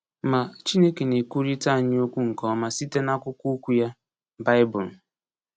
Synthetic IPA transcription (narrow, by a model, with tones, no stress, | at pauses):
ma˨t͡ʃi˦ne˦ke˨ne˨ku˦ɾi˦ta˦a˨ɲ˦o˦kʷu˦ŋ̩˨kɔ˨˦ma˨si˦te˦na˦kʊ˦ku˦kʷu˦ja˦ | ba˦ɪ˦bʊ˨l̩˨